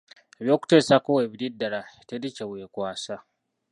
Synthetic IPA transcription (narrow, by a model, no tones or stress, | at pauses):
eβjo̞ːku̥teːsakoweβididːaɾatediceweːkwaːsa